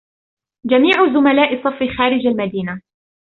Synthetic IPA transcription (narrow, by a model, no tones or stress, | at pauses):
d͡ʒamiːʕʊzʊmalaːʔɪsˤːɑfixaːɾɪd͡ʒalmad̪iːna